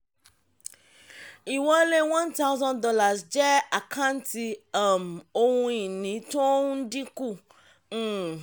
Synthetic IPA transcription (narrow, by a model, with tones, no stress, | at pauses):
i˨wɔ˦le˦wã˦nt̪a˦wzɔ̃˦ndɔ˦la˨sd͡ʒɛ˦a˨kʰã˦n˦ti˧a˦˨mo˦wũ˦i˨nĩ˨˦to˦u˦n̩˦dĩ˦ku˦˨˦